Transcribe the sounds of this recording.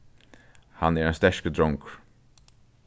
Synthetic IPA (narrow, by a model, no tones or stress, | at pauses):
ha̰nɛɾɛnst̪ɛʂkəd̪ɾɔŋk